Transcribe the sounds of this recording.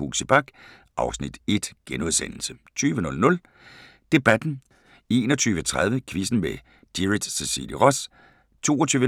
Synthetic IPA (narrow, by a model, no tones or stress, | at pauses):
hṵɡ̥səb̥ɑ̈ɡ̥ | ʔɑ̈ʊsnid̥e̝d̥ɡ̥enuðˠsen̰l̩sət͡sʰyːʋənɔ̽lnɔ̽l | d̥e̝b̥æd̥n̩ | e̝ːnɒt͡sʰyːʋət͡sʰʁað̞ˠʋəkʰʋisn̩ʋe | d̥iʁid̥sesḭːliʁɒ̽s | t͡sʰo̝̰ːɒt͡sʰyːʋə